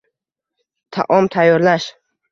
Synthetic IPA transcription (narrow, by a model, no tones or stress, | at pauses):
t̪ʰa̰ʔɔmt̪ʰajɔɾlaʃ